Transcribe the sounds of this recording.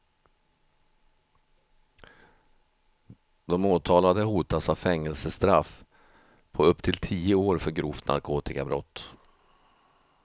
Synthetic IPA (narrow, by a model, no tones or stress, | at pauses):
d̪ɔmoːt̪ʰɑːlad̪əɦuːt̪asavfɛŋːɛlsəst̪ɾaf | pʰɔɵpːt̪ʰɪlt̪ʰiːəoːɾfœɾɡɾuːft̪nʔa̰ɾkʰoːt̪ɪkabɾɔ̰t̪ː